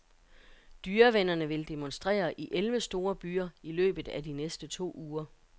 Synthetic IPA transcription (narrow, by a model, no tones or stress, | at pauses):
d̥yːɐʋenɐnəʋe̝ld̥e̝mɔ̽nsd̥ʁɛ̰ːɐʔiʔelʋəsd̥o̝ːɐb̥y̰ːɐilø̰ːb̥ð̞̩ˠæd̥inesd̥ət͡sʰo̝̰ːuːɐ